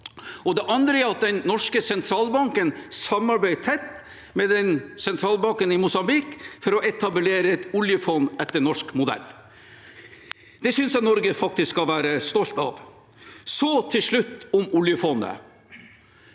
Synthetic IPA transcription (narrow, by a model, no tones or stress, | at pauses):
ɔd̪ɛʔɑnd̪ɾəæɾɑt̪̚d̪ɛnːɔʂkəsɛnt̪ʰɾɑːlbɑŋkənsɑmːɑɾbæɪt̪ʰɛt̪ː | mɛd̪ɛnsɛnt̪ʰɾɑːlbɑŋkənɪmʊsɑmbɪkfɔɾɔʔɛt̪ʰɑbleːɾəɛt̪ʊljəfɔnːɛt̪ːəɳɔʂkmʊd̪ɛ̰lː | d̪̥ɛsʏnsjænɔɾɡəfɑk̚t̪ɪskːɑʋæːɾəst̪ɔlt̪ɑ̰ʋ | sɔt̪ʰɪlʂɭʉt̪ːʊmʊljəfɔnːə̰